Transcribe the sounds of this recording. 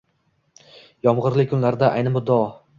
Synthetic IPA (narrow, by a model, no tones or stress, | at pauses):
jɒmʁɨɾlɪkʰːʊnlaɾd̪aʔa̰jnɪmʊd̪ɒ